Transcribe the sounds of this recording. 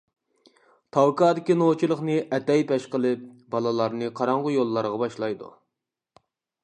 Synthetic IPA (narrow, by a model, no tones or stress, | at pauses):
t̪ʰɑwkɑːd̪ɪkʲinot͡ʃʰilˠəχnɨʔɛt̪ɛjpɛʃqəlˠɨp̚b̥ɑlˠɨlˠɑɾnɨqʰɑɾɑɴʁʊjolˠːɑɾʁɑbɑʃlˠɑjd̪ṵ